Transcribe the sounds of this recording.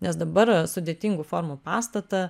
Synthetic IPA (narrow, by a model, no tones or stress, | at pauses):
nʲɛsd̪ɐbɐɾsʊd̪ʲeːt̪ʲiːŋɡuːfoːɾmupɑːst̪ɐt̪ɐ